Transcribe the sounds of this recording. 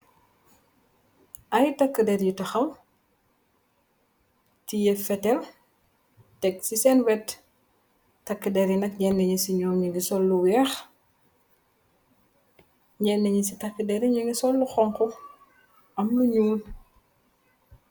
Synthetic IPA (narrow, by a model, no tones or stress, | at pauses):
ʔɐjtɐkːədɛɾjutɐxɐm | tijɛfɛtɛl | ɛk̚sisɛnwɛt | tɐkːədɛɾjinɐk̚ɲɛnːɛɲisiɲɔwɲiŋɡisɔlːuwɛːx | ɲɛnːɛɲisitɐkːədɛɾiɲiŋɡisɔlːuxɔŋkɔ | ɐmnuɲuːn